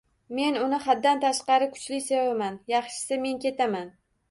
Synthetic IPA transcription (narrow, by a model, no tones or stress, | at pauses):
me̞nʊnɪχad̪ːant̪ʰaʃqɑɾɪkʰʊ̥t͡ʃlɪsevamanjɑχʃɪ̥sɪme̞nkʲe̞t̪ʰaman